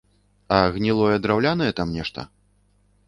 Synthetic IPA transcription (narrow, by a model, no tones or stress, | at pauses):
ɐɣnʲilˠɔjɛd̪ɾawlʲanɐjɛt̪amnʲɛʂt̪ɐ̰